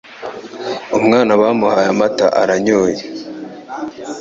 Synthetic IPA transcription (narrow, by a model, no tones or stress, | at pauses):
umŋaːnaβaːmuhajamataʔaɾaɲoːje